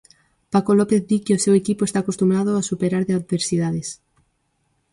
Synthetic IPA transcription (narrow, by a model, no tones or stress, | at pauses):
pakolɔpeθdikeosewekipoest̪aːkost̪umɾað̞oasupeɾaɾðeað̚beɾsiðaðes